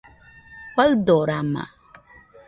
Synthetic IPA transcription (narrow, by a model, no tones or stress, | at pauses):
kadoɾama̰